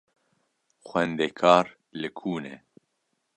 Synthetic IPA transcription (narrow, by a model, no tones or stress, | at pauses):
xʷɛnd̪ekʰɑːɾ | lɨkʰuːnḛː